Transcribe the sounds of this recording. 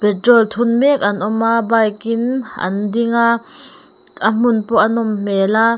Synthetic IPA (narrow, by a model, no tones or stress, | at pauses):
pɛtrɔlt̪ʰunmɛk̚ɐnʔɔmabajkinʔɐ̰ndiŋa | am̥ʊnpɔʔɐnɔmm̥ɛːla